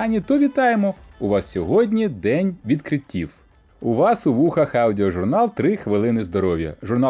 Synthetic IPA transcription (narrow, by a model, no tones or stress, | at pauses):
ɑnʲit̪ɔʋʲit̪ɑjemɔʊʋɑssʲɔɦɔdʲnʲid̪ɛnʲʋʲid̪kɾɪtʲːiw | uʋɑsʊʋuxɐxɐwdʲɪɔʒʊrnɑlˠt̪ɾɪxʋɪlˠɪnɪzd̪ɔɾɔwʲjɐ̰ʒʊrnɑ